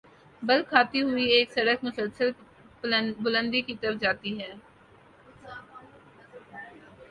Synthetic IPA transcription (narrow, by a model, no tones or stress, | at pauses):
bɐlkʰaːt̪iɦʊieːksɐɽəkmʊsəlsəl | bʊlə̃nd̪ikit̪əɾəfd͡ʒaːt̪iɦɛː